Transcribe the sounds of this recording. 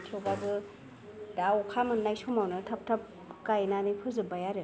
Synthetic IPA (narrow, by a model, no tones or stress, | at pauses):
tʰewbabɯ | daɔkʰamɯnːajsomawnɯtʰap̚tʰɐp̚ | kajnanɯpʰɯzɯbajaɾe